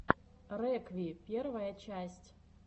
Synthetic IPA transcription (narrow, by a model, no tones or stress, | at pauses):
rɛkvʲipʲervɐjɐt͡ɕæsʲtʲ